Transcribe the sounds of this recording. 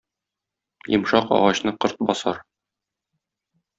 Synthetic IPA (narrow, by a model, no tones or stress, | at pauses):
jɤ̰̆mʃɑqɒ̰ʁɑɕnɤqɤ̆ɾt̪̚bɒsɑɾ